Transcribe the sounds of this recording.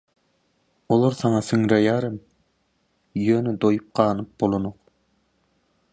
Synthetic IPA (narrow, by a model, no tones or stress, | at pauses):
olˠoɾsɑŋɑsɨŋɾɑjɑːɾɯm | jøːnɛd̪ojup̚qʰɑːnɯp̚bolˠonoq